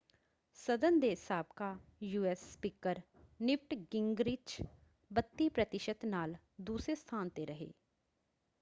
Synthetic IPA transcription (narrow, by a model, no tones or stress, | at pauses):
səd̪ənd̪eːsaːb̚kaːjuːɛːsːpiːkəɾ | nɪpʈɡɪŋɡɾɪt͡ʃ | bət̪ːiːpɾət̪ɪʃət̪naːl | d̪uːsɾeːst̪ʰaːnt̪eɾəɦḛː